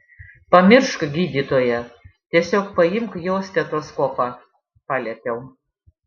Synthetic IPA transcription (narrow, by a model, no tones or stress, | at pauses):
pɐmʲɪɾʃkɐɡʲiːd̪ʲit̪oːjɛt̪ʲiɛsʲoːkpɐjɪmkjoːsʲt̪ʲɛt̪oːskoːpɑ | pɑːlʲɛt̪ʲɛʊ